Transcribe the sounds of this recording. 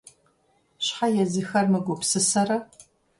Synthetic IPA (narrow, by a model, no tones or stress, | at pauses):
ɕħajɛzɨxɐrmɨɡʷɔpsɨsɐrɐ